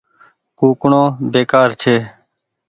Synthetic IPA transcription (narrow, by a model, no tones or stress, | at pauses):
kuːkɳõːbeːkaːɾt͡ʃʰeː